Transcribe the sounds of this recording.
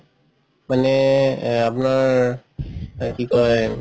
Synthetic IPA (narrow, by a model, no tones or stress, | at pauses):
manɛ | apnaɹ | kikɔj